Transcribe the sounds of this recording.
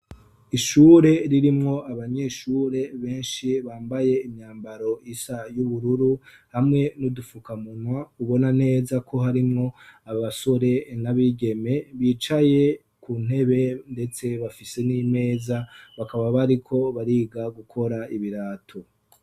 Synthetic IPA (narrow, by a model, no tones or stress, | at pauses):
iʃuɾe̞ɾiɾimŋo̞aβaɲe̞ʃuːɾe̞βe̞ːnʃiβaːmbaje̞imɲaːmbaɾo̞isajuβuɾuɾu | hamŋe̞nudufukamun̥wauβo̞nane̞ːzakʰo̞ɦaɾimŋo̞aβaso̞ɾe̞naβiɡe̞me̞βiːt͡ʃaje̞ | kuːn̥he̞βe̞nde̞t͡se̞βafise̞nime̞ːzaβakaβaβaɾikʰo̞βaɾiɡaɡukʰo̞ɾaʔiβiɾaːtʰo